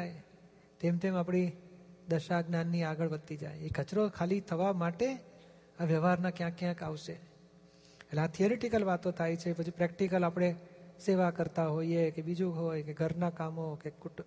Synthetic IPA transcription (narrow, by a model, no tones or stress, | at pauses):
j | t̪emt̪ʰemapɽ̃id̪əʃaɡnanːiaɡəɭʋət̪ːid͡ʒa̰jekət͡ʃɾokʰalit̪ʰəʋamaʈe | aʋjəʋɦaɾnakjãkjãkaʋʃe | eʈleat̪ʰioɾeʈikəlʋat̪õt̪ʰajt͡ʃʰepət͡ʃʰipɾɛk̚ʈikəlapɽ̃eseʋakəɾt̪aɦoiekebid͡ʒũɦojkeɡʱəɾnakamokek